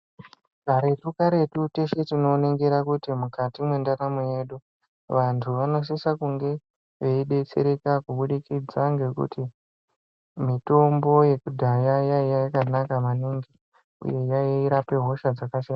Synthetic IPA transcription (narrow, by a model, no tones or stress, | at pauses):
ɡʱaɾe̞rukaɾe̞tute̞ʃe̞tino̞neŋɡeɾakutimukatimwe̞ndaɾamoje̞ɗu | ʋantʰuʋano̞s̬isakuŋɡe̞ | ʋeiɗe̞t͡se̞̰ɾe̞kakuɓuɗikid͡zaŋɡe̞kṵti | mito̞mbo̞je̞kudʱajajaijajakanakamaniŋɡi | ṵje̞jaiːɾape̞ɦo̞ʃad͡zakaʃaːna